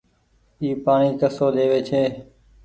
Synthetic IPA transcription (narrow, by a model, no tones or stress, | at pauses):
iːpaːɳiːkəsoːd̪ʱeːʋeːt͡ʃʰeː